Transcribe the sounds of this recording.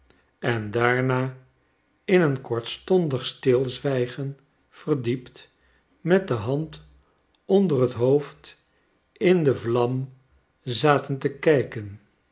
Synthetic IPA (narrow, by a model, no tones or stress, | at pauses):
ɛndaːɹnaː | ɪnənkɔɹtstɔndəχstɪlˠzʋɛjχən | fərdipt | mɛt̚dəɦɑnt | ɔndərətɦowft | ɪndəvlɑm | zaːtəntəkɛjkən